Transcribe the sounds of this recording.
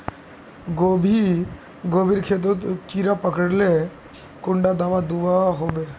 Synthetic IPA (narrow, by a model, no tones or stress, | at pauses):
ɡobʱi | ɡoːbʱiɾkʰeːt̪̬okiɾapəkəɽle | kʊɳɖad̪aːʋad̪uʋaɦoːbeː